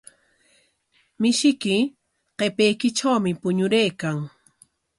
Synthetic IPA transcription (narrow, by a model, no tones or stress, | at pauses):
mɪʃɪkɪ | qepejkɪʈ͡ʂawmɪpʊɲʊɾejkaŋ